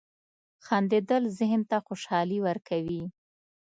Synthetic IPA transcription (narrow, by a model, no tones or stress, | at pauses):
xɑnd̪ed̪əlzɪɦnt̪axoʃɑliwəɾkʰawi